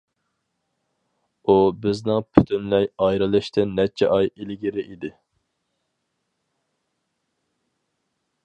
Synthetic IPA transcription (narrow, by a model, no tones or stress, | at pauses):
ubɪznɪŋpʰy̥t̪ʰynlɛjɑjɾɨlˠɨʃt̪ʰɪnːɛt͡ʃʰɛ̰ʔɑjilɪɡʲiɾɪʔid̪ɪ